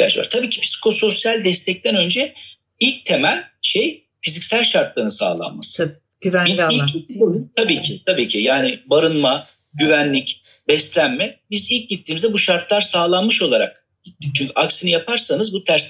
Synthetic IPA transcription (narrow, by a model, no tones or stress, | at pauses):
a̰ʃva̰ɾ̥t̪ʰabiːcʰipʰsi̥kʰo̞so̞sjælʲd̪ɛst̪ʰɛc̚t̪ʰænø̞nd͡ʒɛ | ilʲc̚t̪ʰe̞mælʲʃe̞j | fizicsælʲʃaɾt̪lˠaɾɯnɯsa̰ːlˠa̰nma̰sɯ̥ | iliout̪ʰabiːcʰit̪ʰabiːcʰijaːnɪbaɾɯnma | ɟyvænlʲic | bɛslʲænmɛbizilʲc̚ɟit̪ːiːmizdɛbuʃaɾt̪lˠaɾsaːlˠanmɯʃo̞lˠaɾa̰k | ɟ̥it̪ʰːic̚t͡ʃʰyɲcʰyʔaksinijapʰaɾsanɯzbut̪ʰæɾs